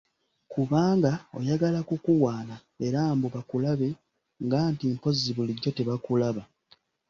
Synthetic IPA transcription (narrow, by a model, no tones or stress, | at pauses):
kuβaːŋɡao̞̰jaɡalakukuwaːna | eɾaːmbuβakulaβe̞ | ŋɡaːntimpo̞zːiβuliɟːo̞te̞βakulaβa